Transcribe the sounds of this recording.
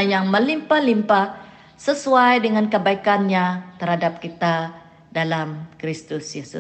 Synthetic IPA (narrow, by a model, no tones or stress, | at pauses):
jaŋməlimpalimpa | səsuajdəŋankəbaikanɲat̪ərhadap̚kit̪a | dalamkɾist̪ʊsjesʊ̰